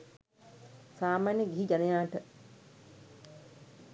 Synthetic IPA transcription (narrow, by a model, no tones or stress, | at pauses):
saːmaːneɡiɦid͡ʒanejaːʈə